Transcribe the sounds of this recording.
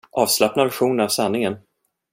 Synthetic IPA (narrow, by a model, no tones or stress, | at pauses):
ʔɑːvslapnavæɾɧuːnənavsanːɪŋən